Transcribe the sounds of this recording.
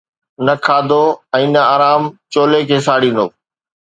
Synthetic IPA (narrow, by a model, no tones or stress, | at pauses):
nɐkʰaːd̪oɛ̃ːnəaːɾaːmt͡ʃoːlekʰeːs̬aːɽĩːnd̪o̰ː